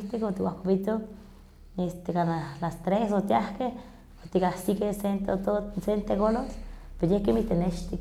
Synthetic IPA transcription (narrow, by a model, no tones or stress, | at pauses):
t̪ikot̪iwahpapit̪o | est̪ekanalast̪ɾesot̪iahkeh | ot̪ikahsikesent̪ot̪osent̪eɣolospeɾojehkemiht̪eneʃt̪ik